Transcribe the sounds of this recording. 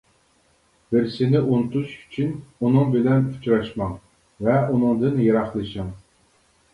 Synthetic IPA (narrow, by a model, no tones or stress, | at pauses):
bɪɾsɪnɪʔunt̪uʃy̥t͡ʃʰynunɨŋbɪlɛny̥t͡ʃɾɑʃmɑŋ | vɛunɨŋd̪ɨnjeɾɑχlˠɨʃɨŋ